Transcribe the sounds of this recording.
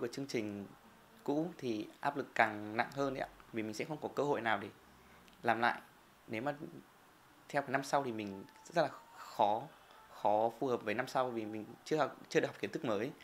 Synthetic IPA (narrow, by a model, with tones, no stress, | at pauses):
ku˨˩ət͡ɕɨ˧əŋt͡ɕï˨˩ŋ̟ | kṵ˧˥t̪ʰi˨˩ʔaː˦˥p̚lɨ˨˩kːaː˨˩ŋna̰˧˨ŋhəː˧nʔə̰˧˥a˦˥vi˨˩mi˨˩ŋ̟sɛ̰˧˥xə˧wŋ͡mkɔ˨˦kəː˧ho̰˧˨jnaː˨˩wt̪ʰi˨˩ | laː˨˩mla̰ː˧˨jʔ | ne˨˦wmaː˨˩ | t̪ʰɛ˧wkaː˨˦jna˧msa˧wt̪ʰi˨˩mï˨˩ŋ̟zə˦˥˦t̚laː˨˩xɔ˨˦ | xɔ˨˦fu˨˩həː˨˩p̚vəː˨˦na˧msa˧wvi˨˩mï˨˩ŋ̟t͡ɕɨ˧əh̚t͡ɕɨ˧˨˩knt̪ɨ˦˥k̚məː˨˦j